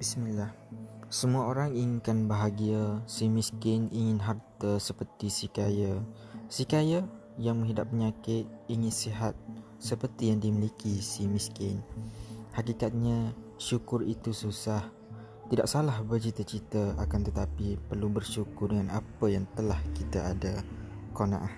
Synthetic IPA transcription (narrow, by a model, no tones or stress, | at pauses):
b̥ismilah | səmuaoɾaŋiŋɪnkanbaɦaɡiasimiskɪniŋɪnɦart̪əsəpərt̪isikaja | sikaja | jaŋmə̃ŋɦidap̚ːəɲakɪt̪̚iŋɪnsiɦat̪̚ | səpərt̪ijaŋdimilikisimĩskɪn | hakikat̪̚ɲaʃukʊrit̪ususah | t̪ida̰ʔsalahbərt͡ʃit̪ət͡ʃit̪əakant̪ət̪apipərlubərʃukʊrdəŋanapəjaŋt̪əlahkit̪aadakona̰ʔa